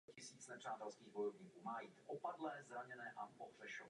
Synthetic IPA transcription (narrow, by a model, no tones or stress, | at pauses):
cɪsiːt͡snɛpr̝̥aːt̪ɛlskiːɣbojɛvɲiːkuːmaːjiːt̪ʔopadlɛːzɾaɲɛnɛːʔapoffɛʃo